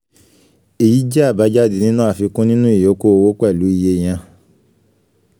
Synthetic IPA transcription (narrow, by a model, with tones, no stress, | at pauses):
e˨ji˨˦d͡ʒɛ˦a˦˨ba˨˦d͡ʒa˦di˨nĩ˦nũ˦a˦˨fi˧kũ˦nĩ˦nũ˦i˦˨jo˨˦ko˦o˧wo˦k͡pɛ˦˨lu˨˦i˦˧je˧˨j̃ã˧